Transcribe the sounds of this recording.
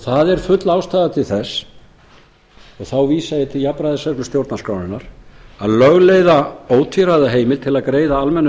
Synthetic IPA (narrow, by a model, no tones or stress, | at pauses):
θaðɛɾ̥fʏt̪laːwst̪aːðat̪ʰɪlθɛsː | ɔɣθawviːsajɪt̪ʰɪljapɾajðɪsɛklʏst̪jowɾt̪naskɾawnɪnːaɾaðlœɣlejðaoːwt̪ʰiɾajðaɦeːjmɪl̥t̪ʰɪlaðkɾeːjðaalmɛnː